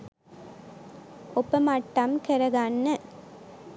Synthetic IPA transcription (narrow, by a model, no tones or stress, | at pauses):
ɔpːɐmaʈːamkɛɾɐɣaːnːɐ